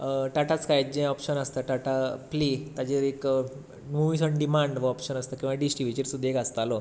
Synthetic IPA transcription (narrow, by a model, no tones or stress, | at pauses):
ʈaʈat͡skajd͡ʑɛ̃ɔpɕənəst̪əʈaʈaplit̪ad͡ʑeɾek | nuʋisəɳɖimaɳɖʋəɔpɕənəst̪əkĩʋaɖisʈiʋit͡ɕiɾsud̪ʱekəst̪alɔ